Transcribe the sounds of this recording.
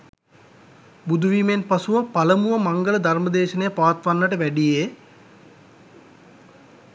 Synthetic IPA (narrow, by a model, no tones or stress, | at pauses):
bud̪uʋiːmenpasuʋəpaləmuʋəmaŋɡələd̪ʱarməd̪eːʃənejəpaːt̪ʋanːəʈəʋæɖije